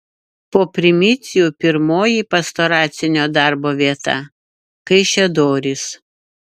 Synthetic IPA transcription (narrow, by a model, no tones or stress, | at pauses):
poːpʲɾʲɪmʲɪt̪sʲɪjupʲɪɾmoːjiːpɐst̪oːɾɑːt̪sʲɪnʲoːd̪ɑˑɾboːʋʲiɛt̪ɑ̰ | kɐɪʃʲɛd̪oːɾʲɪs